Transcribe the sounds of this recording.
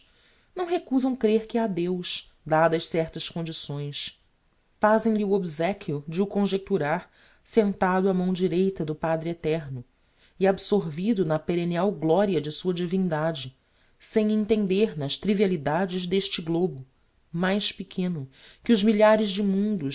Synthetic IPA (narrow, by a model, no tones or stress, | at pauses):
nɐ̃w̃ɦekuzɐ̃w̃kɾeɾkɪad̪ewʃ | d̪ad̪ɐʃsɛɾt̪ɐʃkõnd͡ʒisõj̃s | fazẽj̃liuobzɛkʰʲjud͡ʒɪukõʒek̚t̪uɾaɾ | sẽnt̪ad̪ʊamɐ̃w̃d͡ʒiɾejt̪ɐd̪ʊpad̪ɾɪet̪ɛɾnʊ | iabsoɾvid̪ʊnɐpeɾeniawɡlɔɾiɐd͡ʒɪsuɐd͡ʒivĩnd̪ad͡ʒɪ | sẽj̃ẽnt̪ẽnd̪eɾnɐʃt̪ɾivialid̪ad͡ʒɪzd̪eʃt͡ʃɪɡlobʊ | majʃpɪkʰẽnʊkɪʊʒmiʎaɾɪʒd͡ʒɪmũnd̪ʊ